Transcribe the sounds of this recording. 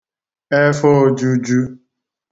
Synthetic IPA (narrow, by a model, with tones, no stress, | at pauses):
e˦fɔ˦d͡ʒu˦d͡ʒu˦